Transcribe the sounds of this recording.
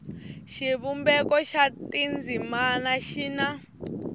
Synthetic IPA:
ʃiβumbɛkɔʃatind͡zimanaʃina

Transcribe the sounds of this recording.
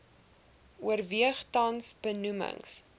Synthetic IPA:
uərviəχtɐnsb̥ənumə̰ŋs

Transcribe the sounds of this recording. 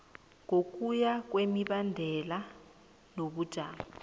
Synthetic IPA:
ŋok̬ʼujak̬wemiɓandʱɛla | noɓud̥ʱaːma

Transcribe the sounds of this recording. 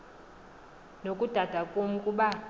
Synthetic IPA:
nokʼud̥ʱad̥ʱakʼom̩kʼuɓa

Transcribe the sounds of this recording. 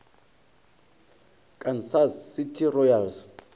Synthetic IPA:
kʼansazsitʰirɔjalz

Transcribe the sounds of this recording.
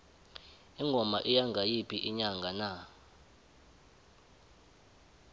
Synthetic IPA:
iŋɡʱɔma̰ʔijaŋɡʱajipʰiʔiɲaŋɡʱana

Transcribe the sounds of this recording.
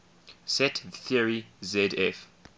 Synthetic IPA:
sɛtθiəɹizɛdɛf

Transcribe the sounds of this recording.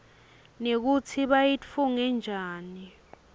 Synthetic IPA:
nek̬ut͡sʰiɓajifuŋɛnd͡ʒʱaːni

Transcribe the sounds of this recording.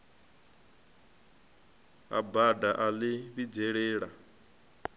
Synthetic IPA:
a̰badaʔalɪβid͡zɛɺɛːɺa

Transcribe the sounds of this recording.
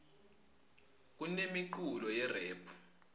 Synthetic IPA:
k̬unemiǃulɔjɛrɛːpʰu̥

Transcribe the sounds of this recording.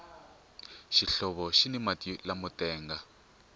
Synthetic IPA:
ʃiɬɔβɔʃinɛmatilamutɛːŋɡa

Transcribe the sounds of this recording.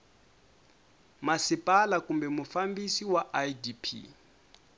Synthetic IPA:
masipʼalakʼumbɛmufambisiwaʔajdipʰḭ

